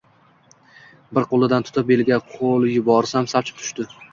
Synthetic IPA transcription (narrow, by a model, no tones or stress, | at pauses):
bɪɾqolˠɪd̪ant̪ʰʊ̥t̪ʰɪp̚elɡʲaqʰolˠjʊbɒɾsamsap̚t͡ʃʰɪ̥p̚t̪ʰʊ̥ʃt̪ɪ